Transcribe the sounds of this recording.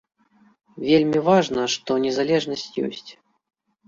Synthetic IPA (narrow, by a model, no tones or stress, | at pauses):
vʲelʲmʲivaʐnɐʂt̪ɔnʲɛzalʲɛʐnɐsʲtʲjɔ̰sʲt͡sʲ